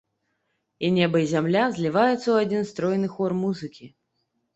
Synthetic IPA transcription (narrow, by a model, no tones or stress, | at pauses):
inʲɛbɐizʲamlʲazʲlʲivajut̪sːɐwad͡zʲinst̪ɾɔjnɨxɔrmuzɨkʲi